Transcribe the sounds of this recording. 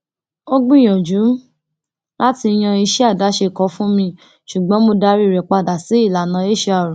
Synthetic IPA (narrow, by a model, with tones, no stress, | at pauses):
o˦ɡ͡bũ˦˨j̃ɔ̃˨d͡ʒu˨˦ | la˦ti˧j̃ã˧i˧ʃɛ˦a˦˨da˨˦ʃe˧˨kɔ˨˦fũ˦mĩ˧ | ʃu˨ɡ͡bɔ̃˨˦mo˧da˦ɾi˦˨ɾɛ˨k͡pa˧˨da˨si˨˦i˦˨la˨nã˨˦e˦˨ʃe˦a˦˨ɾũ˨